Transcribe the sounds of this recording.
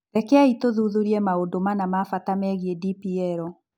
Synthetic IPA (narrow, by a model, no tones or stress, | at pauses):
ɾɛkɛaitoðuðuɾiɛmaodomanamafatamɛɣiɛdipiɛɾɔ